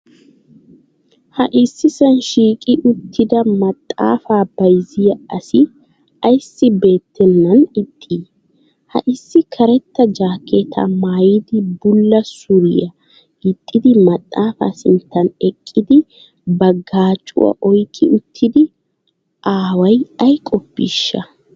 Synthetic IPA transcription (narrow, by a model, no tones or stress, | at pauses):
hɐʔɪsːɪsɐnʃiːkʼɪʔʊt̪ʰːɪd̪ɐmɐt̪ʼːa̰ːfaːb̥ɐjzɪjɐɐsɪ | ɐjsːɪbe̞ːt̪ːɛnːɐnɪt̪ʼʰːiː | hɐ̰ʔɪsːɪkʰɐɾɛt̪ːɐd͡ʒaːkːet̪ʰɐ̰maːjɪd̪ɪbʊlːɐsʊɾɪjɐ | ɪt̪ʼːɪd̪ɪmɐt̪ʼːaːfa̰ːsɪnt̪ːɐnɛkʼːɪd̪ɪ | bɐɡaːt͡ʃʼːʊ̰wɐ̰ʔɔjkʼːɪʔʊt̪ʰːɪd̪ɪ | ʔaːwɐjɐjkʼɔpːḭʃːɐ